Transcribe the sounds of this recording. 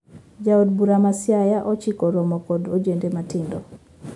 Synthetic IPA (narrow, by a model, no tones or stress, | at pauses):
d͡ʒaod̚buɾamasjajaʔɔt͡ʃikɔɾɔmɔkɔdod͡ʒendematɪndɔ